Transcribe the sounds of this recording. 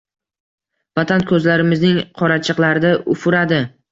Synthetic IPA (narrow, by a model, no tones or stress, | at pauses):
vat̪ʰankʰɵzlaɾɪmɪznɪŋqʰɒɾat͡ʃʰɨqlˠaɾɪd̪aʔʊfʊɾad̪ɪ